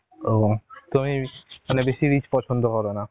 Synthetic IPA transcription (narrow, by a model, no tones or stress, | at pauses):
ot̪umimanɛbesiɾit͡ʃpɔt͡ʃʰɔnd̪ɔkɔɾɔna